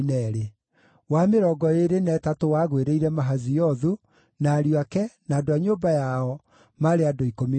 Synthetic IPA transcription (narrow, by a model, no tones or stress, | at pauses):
nɛɾe | wameɾɔɡɔeɾenɛːtatowaɣweɾeiɾɛmaɦazijɔðu | naːɾiakɛnaːdoaɲoːbajaɔ | maɾeadoikomi